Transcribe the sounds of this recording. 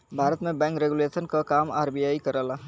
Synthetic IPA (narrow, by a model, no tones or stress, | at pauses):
bʱaɾət̪mẽbɛ̃ŋkɾeɡulesənkakama̰ːɾbijaikəɾəla